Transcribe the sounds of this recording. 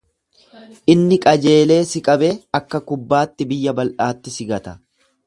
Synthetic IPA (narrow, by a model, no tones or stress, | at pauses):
ʔɪnːɪkʼɐd͡ʒe̞ːle̞ːsɪkʼɐbeɐkːɐkʊbːaːt̪ːɪbɪjːɐbɐlʔaːt̪ːɪsɪɡɐt̪ɐ̥